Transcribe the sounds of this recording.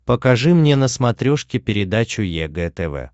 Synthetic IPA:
pəkɐʐɨmnʲenəsmɐt̪ɾʲoʂkʲɪpʲɪɾʲɪd̪at͡ɕʊjɛɡɛt̪ɛvɛ̰

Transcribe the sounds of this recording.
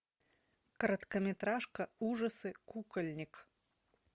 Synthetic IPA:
kɐɾɐt̪kɐmʲɛt̪ɾaʂkɐuʐɐsɨkukɐlʲnʲɪk

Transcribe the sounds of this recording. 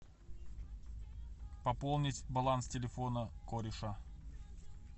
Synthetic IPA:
pɐpolˠnʲɪtʲbɐlˠanstʲɪlʲɪfonəkoɾʲɪʂa

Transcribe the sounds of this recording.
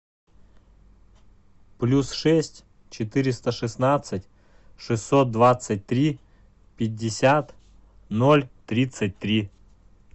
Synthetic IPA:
plʲusʂɛsʲtʲ | t͡ɕɪt̪ɪɾʲɪst̪əʂɨsnat̪sətʲ | ʂɨsʲːot̪̚d̪ʋat̪sət̚ʲt̪ɾʲi | pʲɪdʲːɪsʲat̪ | nolʲt̪ɾʲit̪sət̚ʲt̪ɾʲi

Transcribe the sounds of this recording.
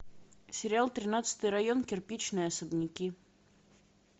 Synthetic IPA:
sʲɪɾʲɪalˠt̪ɾʲɪnat̪sɨ̥t̪ɨjɾɐjo̞nkʲɪrpʲit͡ɕnɨjəɐsəbnʲɪkʲi

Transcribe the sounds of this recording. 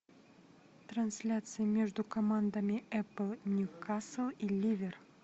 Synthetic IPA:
t̪ɾɐnsʲlʲat̪sɨjəmʲeʐd̪ʊkɐmand̪amʲɪɛpəlˠnʲjukaslˠilʲivʲer

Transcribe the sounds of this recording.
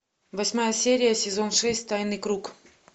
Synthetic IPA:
vɐsʲmajəsʲeɾʲɪjəsʲɪzo̞nʂɛsʲtʲt̪ajnɨkɾuk

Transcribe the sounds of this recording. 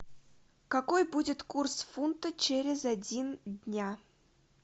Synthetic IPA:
kɐkojbudʲɪt̪kursfunt̪ət͡ɕeɾʲɪzɐdʲindʲnʲa

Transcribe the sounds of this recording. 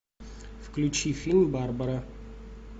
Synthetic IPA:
fklʲʉt͡ɕifʲilʲmbarbəɾə

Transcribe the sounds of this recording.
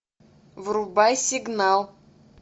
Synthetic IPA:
vɾubajsʲiɡnɑlˠ

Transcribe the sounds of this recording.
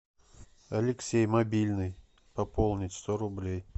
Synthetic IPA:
ɐlʲɪksʲejmɐbʲilʲnɨj | pɐpolˠnʲɪtʲst̪oɾʊblʲej

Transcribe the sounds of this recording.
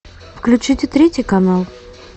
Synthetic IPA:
fklʲʉt͡ɕɨtʲɪt̪ɾʲetʲɪjkɐnalˠ

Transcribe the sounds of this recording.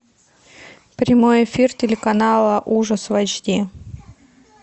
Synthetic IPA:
pɾʲɪmo̞jɪfʲirtʲɪlʲɪkɐnalˠəʔuʐəsvɐd͡ʑd̪ʲi

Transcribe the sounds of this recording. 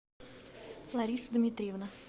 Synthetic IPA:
lˠɐɾʲiːsʊd̪mʲit̪ʲɾʲiʋnɐ

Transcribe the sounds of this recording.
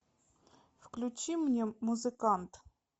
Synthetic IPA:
fklʲut͡ɕimnʲemʊzɨkant̪

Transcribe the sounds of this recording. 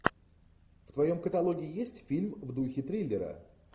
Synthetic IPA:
ft̪vɐjo̞mkət̪ɐlˠo̞ɡʲɪɪjesʲtʲfʲilʲmvd̪uxʲɪt̪ɾʲelʲːɪɾə̰

